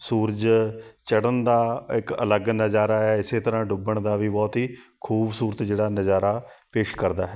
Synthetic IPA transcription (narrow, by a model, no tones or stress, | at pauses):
suːɾəd͡ʒt͡ʃəɽənd̪aːɪkə̰ləɡnəzaːɾaːɦɛːɪseːt̪əɾãːɖʊbəɳd̪aːʋiːbɔːt̪ɦiːkʰuːbsuːɾət̪d͡ʒeːɽaːnəzaːɾaːpeːʃkəɾd̪aːɦɛː